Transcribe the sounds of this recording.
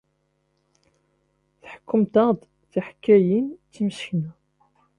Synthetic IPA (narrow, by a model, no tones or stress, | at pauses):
θħə̥kːʊmt̪ɑʁd̪ | θaħkːæjint͡sːiməʃçnæ